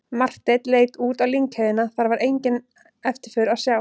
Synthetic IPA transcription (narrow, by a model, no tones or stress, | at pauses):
mar̥t̪et̪leːjt̪uːt̪awliŋkhejðɪnaθaɾvaɾʔejɲcɪn | ɛft̪ɪɾ̥fʏɾaðsjaːw